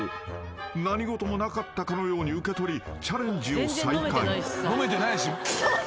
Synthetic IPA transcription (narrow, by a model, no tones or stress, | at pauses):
naɲ̟iɡo̞t̪o̞mo̞nakat̪ːakano̞jo̞ːɲ̟iɯ̟ke̞t̪o̞ɾʲit͡ɕaɾẽ̞ɲd͡ʑiosaikainomet̪enajɕi